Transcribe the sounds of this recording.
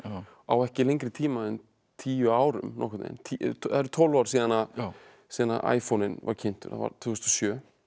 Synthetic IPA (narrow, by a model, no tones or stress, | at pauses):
a̰wɛhcɪlejɲŋkɾɪt̪ʰiːmaɛn | t̪ʰiːjʏaːwɾʏ̰mnɔ̰hkʰʏt̪nḛjnt̪ʰiaɾt̪ʰɔlvawɾ̥siːðanːa | siːðanːa̰ʔa̰ːjfownɪnva̰ɾcʰɪn̥t̪ʏɾ̥a̰va̰ɾt̪ʰvust̪ɔsjœː